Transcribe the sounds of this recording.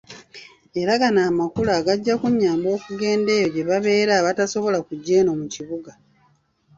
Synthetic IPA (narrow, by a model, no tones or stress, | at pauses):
e̞ɾaɡanaːmakulaːɡaɟːakuɲːaːmbo̞ːkuɡe̞ːnde̞ːjo̞ɟe̞βaβe̞ːɾaːβataso̞βo̞lakuɟːe̞ːno̞muciβuɡa